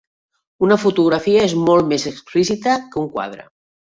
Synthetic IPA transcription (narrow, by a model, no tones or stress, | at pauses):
unəfut̪uɣɾafiəezmolˠmezəksplis̬it̪əkəuŋkwa̰ð̞ɾə̰